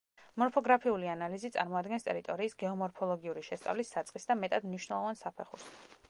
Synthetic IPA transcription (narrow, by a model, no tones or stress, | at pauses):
mɔɾpʰɔɡɾapʰiulianalizit̪sʼa̰ɾmɔad̪ɡɛnst̪ʼɛ̰ɾit̪ʼɔɾiːsɡɛɔmɔɾpʰɔlˠɔɡiuɾiʃɛst̪sʼa̰vlisːat̪sʼqʼisd̪amɛt̪ʼad̪mniʃwnɛlˠɔvansapʰɛχṵɾs